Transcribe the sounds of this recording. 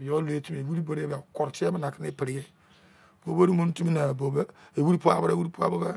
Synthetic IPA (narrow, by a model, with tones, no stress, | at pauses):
jo˦lo˨˦e˦˨ti˦m˦˨e˨wi˦ɾi˦bo˦ɾe˦ba˨ko˨ɾti˦e˦ba˦na˨ki˦ne˦˨pi˨ɾi˨je˦ | b̥o˨bo˦ɾi˦mo˦n˦ti˦mi˦na˨bo˨be˦e˨wi˦ɾi˦pu˦a̰˦˨bo˦ɾe˦˨wu˦ɾi˦pu˦a̰˦bo˦ba˦